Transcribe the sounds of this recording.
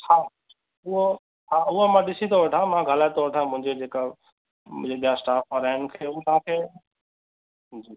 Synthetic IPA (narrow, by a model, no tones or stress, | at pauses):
hʰaː | ʊɦo | aːʊɦomãɗɪsit̪ʰoʋɐʈʰãmãɡʱəlaːet̪ʰoʋɐʈʰãːmʊ̃ɦɪ̃ɲd͡ʑed͡ʑeːka | ʊ̃d͡ʑeɓijasʈaːfɐɾaːɪnkʰeːʊ̃t̪ɐʋ̤ãkʰeː | d͡ʑiː